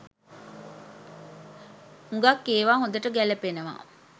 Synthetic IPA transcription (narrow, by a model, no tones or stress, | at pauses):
uŋɡakːeːʋaːɦõnd̪əʈəɡæləpenəʋa̰